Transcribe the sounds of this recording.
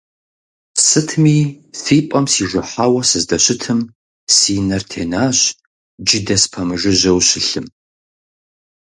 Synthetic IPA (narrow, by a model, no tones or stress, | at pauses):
sɨtʰmiː | θiːpʼɐmsiːʒʷɨħaːwɐsɨzdɐɕɪtʰɨm | siːnɐrtʰeːnaːɕ | d͡ʒɪdɐspʰɐmɨʐɨʑɐwɕɪɬɨm